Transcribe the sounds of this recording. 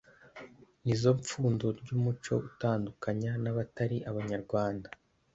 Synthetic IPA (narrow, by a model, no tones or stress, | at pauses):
nizo̞ɱp͡fuːndoɾɟuːmut͡ʃo̞̰utaːndukaɲanaβataɾiʔaβaɲaɾɡwaːnda